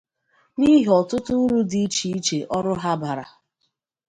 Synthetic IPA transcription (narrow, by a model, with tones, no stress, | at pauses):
ni˦ɦe˨ɔ˨tʊ˦tʊ˦n̩˦ɾu˦di˦i˦t͡ʃi˨i˦t͡ʃe˨ʔɔ˦ɾʊ˦ɦa˦ba˨ɾa̰˨